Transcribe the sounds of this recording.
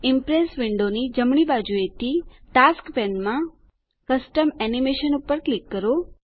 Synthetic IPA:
ɪmpɾesʋɪɳɖonid͡ʒəmɳibad͡ʒuet̪ʰiʈaskbɛ̃nmã | kəsʈəmɛnimeʃənupəɾklikːəɾo

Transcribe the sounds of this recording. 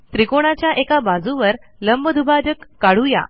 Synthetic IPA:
t̪ɾikoɽ̃at͡ɕjaʔekabad͡zũʋəɾ | ləmbəd̪ʱubad͡ʑəkːaɽuja̰

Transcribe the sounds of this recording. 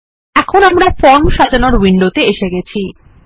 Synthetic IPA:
ɛkʰonamɾafɔnʃad͡ʑanoɾwiɳɖot̪eeʃeɡɛt͡ɕʰi

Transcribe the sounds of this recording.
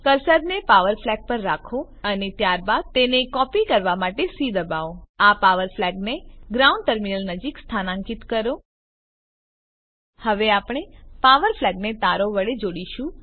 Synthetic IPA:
kəɾsəɾnepaʋəɾflɛɡ̚pəɾːakʰo | ənet̪jaɾbad̪̚t̪enekɔpikəɾʋamaʈesid̪əbaoapaʋəɾflɛɡneɡɾaũɳɖ̚ʈəɾminəlnəd͡ʒikst̪ʰanãŋkit̪kəɾo | həʋeapɽ̃epaʋəɾflɛɡ̚net̪aɾoʋəɽed͡ʒoɽiʃũ

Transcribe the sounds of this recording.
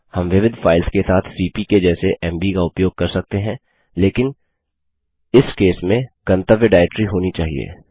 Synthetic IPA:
hɐmʋɪʋɪd̪faːɪlskesaːt̪ʰsiːpiked͡ʒɛːseʔɛ̃ːmbikaʊpjoːɡ̚kɐɾsɐk̚t̪eɦɛ̃ | leːkɪn | ɪskeːsmẽkɐ̃nt̪əʋjəɖaːɪʈɾiɦoːnit͡ʃaːɦḭḛː

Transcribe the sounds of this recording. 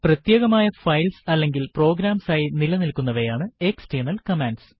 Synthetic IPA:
prɐt̪je̞ːɣɐmaːjɐfɐjlsɐlːe̞ŋɡilpro̞ːɡɾaːmsaːjinilɐnilkːunːɐʋɐjaːɳɨeksʈenɐlkɐmeːnɖs

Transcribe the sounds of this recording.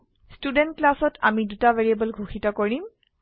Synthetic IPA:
studɛntklasɔtʰa̰midutaveɹiabɔlɡʱuxʰitɔkoɹim

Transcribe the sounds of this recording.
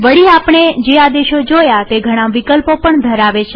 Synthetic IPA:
ʋəɽiapɳ̃ed͡ʒead̪eʃod͡ʒojat̪eɡʱəɽ̃aʋikəlpopəɳd̪ʱəɾaʋet͡ʃʰe

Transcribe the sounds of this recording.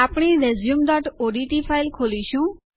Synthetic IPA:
apɽ̃iɾezjumd̪ɔʈoɖiʈipʰajlkʰoliʃũ

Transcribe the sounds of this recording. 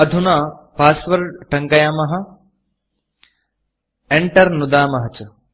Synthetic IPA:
ɐd̪ʱunaːpaːsʋɐɾʈɐŋkɐjaːmɐɦɐ̆ | eɳʈɐɾnud̪aːmɐɦɐt͡ʃɐ

